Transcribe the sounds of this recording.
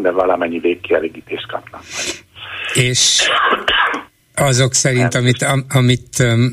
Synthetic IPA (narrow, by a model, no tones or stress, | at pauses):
d̪ɛvɒlɒmɛɲːiveːkːiɛleːɡiːt̪eːʃt̪̚kɒ̰pnɒkmɛ | eːʃ | ɒzoksɛɾint̪ɒmit̪ɒmit̪